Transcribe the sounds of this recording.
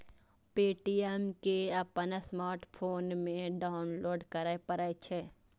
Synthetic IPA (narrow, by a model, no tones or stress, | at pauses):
peːʈiemkeɐpənsmaːɾʈpʰoːnmẽɖaːʊnloːɖkəɾəjpəɾajt͡ʃʰe